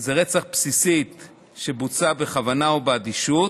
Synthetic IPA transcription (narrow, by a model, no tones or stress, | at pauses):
zeʁet͡saχpsisit̪ | ʃebut͡sabeχavanaobead̪iʃut